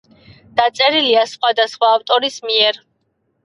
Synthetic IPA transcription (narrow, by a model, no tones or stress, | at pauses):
d̪̥at̪sʼɛɾiliasχwad̪asχwaːft̪ʼɔɾismiɛɾ